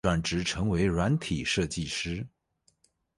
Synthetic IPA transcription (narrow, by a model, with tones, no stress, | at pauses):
wa˥˩nʈ͡ʂɻ̩˧˥ʈ͡ʂʰɤ˧˥ŋwe˧˥ɪɻwa˧˥nt̪ʰi˨˩ʂɤ˥˧t͡ɕi˥˩ʂɻ̩˥